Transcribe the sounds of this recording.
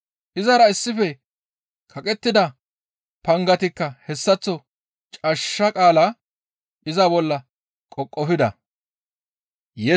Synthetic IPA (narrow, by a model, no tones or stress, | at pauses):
ʔɪzɐɾɐɪsːɪfɛ | kʰɐkʼɛt̪ːɪd̪ɐ | pɐŋɡɐt̪ɪkːɐhɛsːɐt͡sːɔ | t͡ʃʼɐʃːɐkʼaːla | ʔɪzɐbɔlːɐ | kʼɔkʼːɔfɪd̪ɐ̰ | jɛ